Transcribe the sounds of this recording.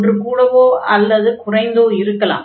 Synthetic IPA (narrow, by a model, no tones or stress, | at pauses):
drɯkuːɽɐʋoːɐlːɐðɯkʊrɐɪnd̪oːɪɾɯkːɐla̰ː